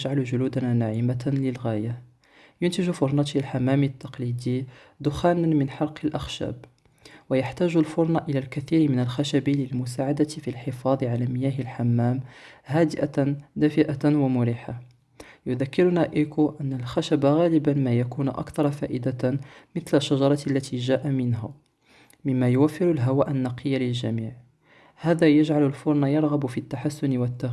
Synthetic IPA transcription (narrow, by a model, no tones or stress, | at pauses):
əʒʕalʒʊluːd̪ananaʕimaləlɣæja | jʊnt̪ɪʒufʊɾˤnɑt̪lħamːæmit̪ːɑqlid̪i | d̪ʊxaːnamɪnħɑɾqəlʔaxʃæ̰b | wajaħt̪æʒʊlfʊɾˤnɑʔəlælkæθiːɾmɪnəlxaʃæbiləlmʊs̬aʕad̪at̪filħefɑd̪ˤʕalæmɪjæɦəlħamːæːmhæd̪ɪʔand̪æfɪʔawamʊɾiːħa | jʊðakːɪɾʊnaʔikuʔænːalxaʃabaɣæːlɪbanmajakuːnʊʔɑ̰kt̪ɑɾˤɑfæːʔɪd̪amɪθlaʃːaʒɑɾˤɑlːæt̪ʰiʒæːʔamɪnɦa | mɪmːæjʊwæfːɪɾʊlɦawaːʔanːɑqʰəjːalɪlʒæmiːʕ | hæːd̪æjaʒʕalʊlfʊɾˤnɑjɑɾˤɣabʊfit̪ːaħasːʊnɪwət̪ːa